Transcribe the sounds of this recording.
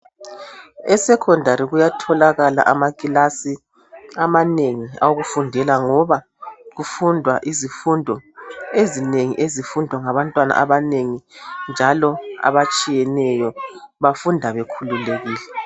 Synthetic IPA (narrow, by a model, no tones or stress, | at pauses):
ɛsɛkʰɔndʱaɾiɣujatʰɔlaɣala̰ʔamakʼilasi | amaneŋia̰woɣufundʱɛlaŋɔβa | ɣufundʱwaʔizifundʱɔezineŋḭʔezifundʱwaŋaβantʼwana̰ʔaβaneŋind͡ʒʱalɔa̰βat͡ʃʼijɛnɛjɔβafundʱaβɛkʰululeɣiːlɛ